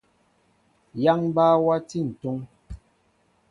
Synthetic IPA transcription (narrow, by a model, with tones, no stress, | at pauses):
ja˦ŋbaː˦wa˦ti˦˨n̩˨tu˦ŋ